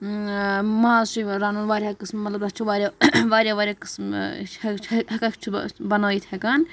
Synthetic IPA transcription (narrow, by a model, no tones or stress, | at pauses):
mãːʃiɾaːnuːnʋaːɾʲaːkɨsmːɐt̪lɐbd̪at͡ʃʰuʋaːɾʲjaʋaːɾʲjaːʋaːɾʲjaːkɨsm | t͡ʃʰɦɐkakʰt͡ʃʰubɐnoːit̪ʰhɛkaːn